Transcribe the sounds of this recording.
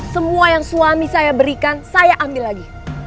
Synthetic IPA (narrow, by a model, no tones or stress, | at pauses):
səmuajaŋsuamisajabəɾikansajaʔambɪlːaɡi